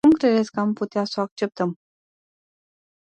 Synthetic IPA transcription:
umkɾe̞d̪esʲkəamput̪easo̞ak̚t͡ʃe̞p̚t̪əm

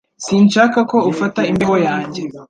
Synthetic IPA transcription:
siːnʃakako̞ufataimbeɡojaːɲɟe

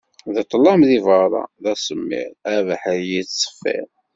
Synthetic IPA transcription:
ðət̪ˤːlːɑmðivəɾˤɑ̰ðæsəmːḭɾævæħəɾjit͡ssˤə̥fːḭɾ

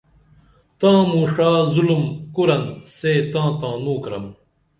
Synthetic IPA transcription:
t̪ãːmuːʂaːzulumkuɾɐnseːt̪ãːt̪ãːnuːkɾɐm

